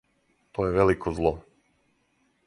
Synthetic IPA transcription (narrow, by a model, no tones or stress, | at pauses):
t̪ojeʋelikʰozlˠo